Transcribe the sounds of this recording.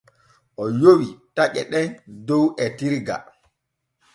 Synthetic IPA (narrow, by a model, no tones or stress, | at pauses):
ʔɔjowitaʔɛ̰ɗɛndɔwʔɛtiɾɡa̰